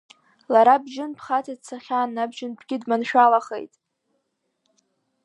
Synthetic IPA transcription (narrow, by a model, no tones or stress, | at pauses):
laɾabʒɪnpʰχatʰadt͡sʰaχʲaːnːabʒɪnbɡʲɪdmanʃᶣalaχḛjtʼ